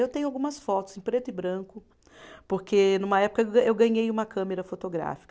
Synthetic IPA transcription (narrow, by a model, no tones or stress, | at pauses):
ewt̪ẽɲ̃ʊawɡũmɐsfɔt̪ʊzẽpɾet̪ʊɪbɾɐ̃kʊ | poɾkʰenũmɐɛpʊ̥kɐewɡɐ̃ɲejũmɐkʰɐ̃meɾɐfot̪oɡɾa̰fi̥kɐ